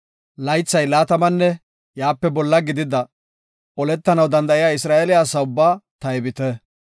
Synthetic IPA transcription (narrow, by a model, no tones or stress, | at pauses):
lɐjt͡sːɐjlaːt̪ɐmɐnːɛ | jaːpːɛbɔlːɐɡɪd̪ɪd̪ɐ | ʔɔlɛt̪ːɐnɐwd̪ɐnd̪ɐʔɪjaːɪsɾaːʔelɪjaːsːɐʊbːaːt̪ɐɛbɪt̪ɛ